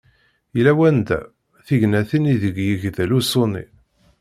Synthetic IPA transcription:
jlæwænd̪æ̰ | θiʝnæθiniðəɡjiʝðælusonḭ

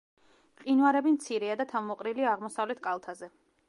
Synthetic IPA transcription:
qʼinwaɾɛbimt̪sʰiɾɛad̪at̪ʰavmɔqʼɾiliaːʁmɔsavlɛt̪ʰkʼalˠt̪ʰazɛ

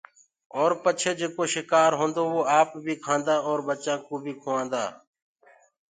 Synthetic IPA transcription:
ɔːɾpət͡ʃʰeːd͡ʒeːkoːʃɪkaːɾɦõːnd̪oːʋoːaːpbʱiːkʰãːnd̪aːɔːɾbət͡ʃãːkũːbʱiːkʰoːãːnd̪a̰ː

